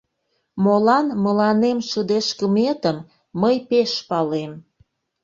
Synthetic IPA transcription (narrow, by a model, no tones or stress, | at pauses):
molɑnməlɑnemʃəd̪eʃkəmet̪əmː | əjpeʃpɑlem